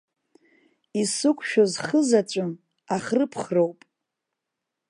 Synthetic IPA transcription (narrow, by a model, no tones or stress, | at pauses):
isɨkʷʰʼʃᶣozχəzat͡ʃʷʼʊm | aχrɨpʰχro̞wpʼ